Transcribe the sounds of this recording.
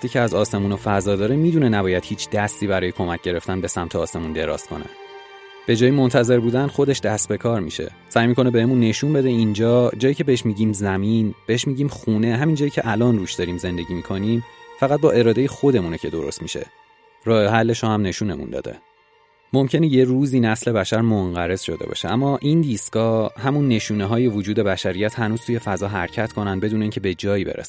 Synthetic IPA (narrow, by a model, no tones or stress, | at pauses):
æt̪iːcʰeæzɒːse̞muːnofæzɒːd̪ɒːɾemiːd̪unenæbɒːjæd̪̥hiːt͡ʃʰd̪̥æst̪iːbæɾɒːjekʰo̞mæc̚ʰɟe̞ɾe̞ft̪ænbe̞sæmt̪ʰeɒːsemund̪e̞ɾɒ̰ːst̪kʰo̞̰nḛ | b̥e̞d͡ʒɒːjimo̞nt̪ʰæze̞ɾbuːd̪ænxo̞d̪e̞ʃd̪æst̪̚be̞kʰɒːɾmḭʃe̞̰ | sæːjmiːkʰo̞nebe̞hemunːe̞ʃuːnbe̞d̪e̞ind͡ʒɒːd͡ʒɒːjiːcʰe̞beheʃmiːɟiːmzæminb̥eeʃmiːɟiːmxuːne̞ɦæmind͡ʒɒːjiːcʰe̞ʔælɒːnruːʃd̪ɒːɾiːmze̞nd̪e̞ɟiːmiːkʰo̞niːmfæɣæt̪̚bɒːʔe̞ɾɒːd̪e̞jexo̞d̪e̞munecʰe̞d̪o̞ɾost̪miʃe̞̰ | ɾɒːheɦælːe̞ʃohæmne̞ʃune̞̰mṵnd̪ɒ̰ːd̪e̞̰ | mo̞mcʰe̞neje̞ɾuːziːnæsle̞bæʃæɾmoŋɢæɾe̞z̥ʃo̞d̪e̞̰bɒ̰ːʃeæmːɒːʔind̪iːsɡɒːhæmunːe̞ʃuːneɦɒːje̞vod͡ʒuːd̪e̞bæʃæɾijæt̪hænuːz̥t̪ʰuje̞fæzɒːɦæɾcʰæt̪kʰo̞nænd̪be̞d̪uːneiŋcʰe̞be̞d͡ʒɒːjiːbḛɾæ̰s